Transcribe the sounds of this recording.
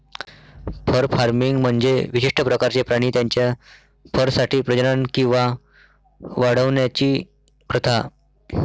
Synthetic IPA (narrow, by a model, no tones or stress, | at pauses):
pʰəɾfaɾmiŋɡm̤əɳd͡zeʋiɕiʂʈʰəpɾəkaɾt͡ɕepɾaɽ̃iːt̪jaɲt͡ɕja | fʰəɾsaʈʰiːpɾəd͡ʑənankĩw̃ʋa | ʋaɽəʋɳjat͡ɕiː | pɾət̪ʰa